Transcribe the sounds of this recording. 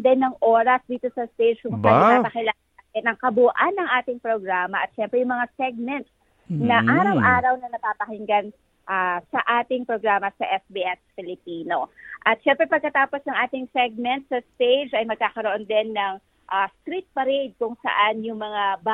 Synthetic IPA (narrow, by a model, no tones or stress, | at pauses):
d̪ɛnːɐŋʔo̞ːɾɐsd̪iːt̪o̞sɐst̪ejd͡ʒkʊŋɐaapɐkɪla | nɐŋkɐbuʔanːɐŋʔaːt̪ɪŋpɾoɡɾaːmɐʔɐt̪̚ʃɛmpɾɛjʊŋmɐŋasɛɡ̚mɛnt̪̚s | nɐʔaːɾɐwʔaːɾɐwnɐnɐpaːpɐhɪŋɡan | ʔasɐʔaːt̪ɪŋpɾo̞ɡɾaːmɐsɐʔɛsbiʔɛsfɪlɪpiːno̞ʔɐt̪ʃɛmpɾɛpɐɡ̚kɐt̪aːposnɐŋʔaːt̪ɪŋsɛɡ̚mɛnt̪̚sɐst̪ejd͡ʒɐjmɐɡ̚kaːkɐɾoʔond̪ɛnːɐŋ | ʔast̪ɾit̪̚pɐɾejd̪̚kʊŋsɐ̰ʔanjʊŋmɐŋaba